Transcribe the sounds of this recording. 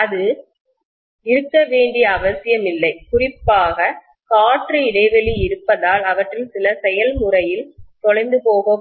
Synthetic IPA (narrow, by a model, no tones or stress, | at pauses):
ɐðɯ | ɪɾɯkːɐʋeːɳɖijɐːʋɐsɪjɐmɪlːɐɪkʊrɪpːaːɣɐ | kaːʈriɪɽɐɪʋɐliɪɾɯpːɐðaːlɐʋɐʈrɪlsɪlɐsɛjɐlmʊrɐjɪlt̪ɔɭɐɪnd̪ɯpoːɣo